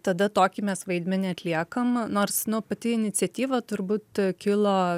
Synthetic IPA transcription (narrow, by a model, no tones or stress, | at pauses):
t̪ɐd̪ɐt̪oːkʲimʲɛsʋɐɪd̪ʲmʲɪnʲɛɐt̪ʲlʲiɛkɐmnoːrsnʊpɐt̪ʲɪɪnʲɪt͡s̪ʲɛt̪ʲiːʋɐt̪ʊɾbuːt̪kʲɪlˠoː